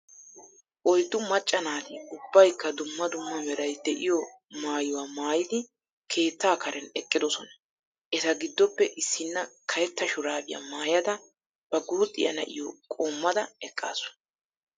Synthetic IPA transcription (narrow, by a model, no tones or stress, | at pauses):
ʔɔjd̪ːʊmɐt͡ʃʼːɐnaːt̪ɪʊbːɐjkːɐd̪ʊmːɐd̪ʊmːɐmɛɾɐjd̪ɛʔɪjɔ | maːjʊwaːmaːjɪd̪ɪ | kʰe̞ːt̪ːaːkɐɾɛnɛkʼːɪd̪ɔsɔnɐ | ʔɛt̪ɐɡɪd̪ːɔpːɛʔɪsːɪnːɐkʰɐjɛt̪ːɐʃʊɾaːbɪjɐ̰maːjɐd̪ɐ | b̥ɐɡuːt̪ʼːɪjɐ̰nɐ̰ʔɪ̰jɔkʼo̞ːmːɐd̪ɐɛkʼːa̰ːsɔ̥nɐ